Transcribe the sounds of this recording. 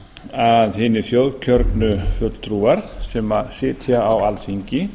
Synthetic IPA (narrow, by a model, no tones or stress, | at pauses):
aðhɪːnːɪθjowðcʰœɾt̪nʏfʏt̪l̥t̪ʰɾuːaɾ̥sɛːmasɪːt̪ʰjaawalsiɲcɪ